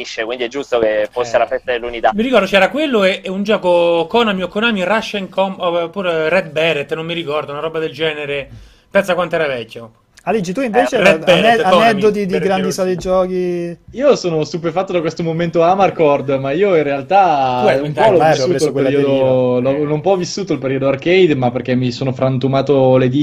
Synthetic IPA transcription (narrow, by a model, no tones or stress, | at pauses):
iʃːekwind̪iɛd͡ʒːust̪okefosːelafɛst̪ad̪elːunit̪amiɾikɔrd̪ot͡ʃɛːɾakwelːoɛʔɛund͡ʒɔːkokɔnamiokːonaːmiraʃːaiŋkʰɔmpuɾrɛd̪̚bɛɾet̪ːnomːiɾikɔrd̪ounaɾɔbad̪eld͡ʒɛːneɾe | pɛnsakwant̪oɛɾavɛkʲːo | alit͡ʃit̪uiɱveːt͡ʃerɛbɛɛanɛd̪ot̪̬id̪iɡɾand̪isɔd̪ed͡ʒɔːkiiːosoːnost̪upefat̪ːod̪akwest̪omoment̪oamarkɔrd̪maiːoinrealt̪aumpɔlɔvissːuːoeɾiod̪olɔnompɔvːisːuːt̪oilpeɾiod̪oarkejd̪mapːerk̟emisoːnofɾant̪umaːt̪oled̪i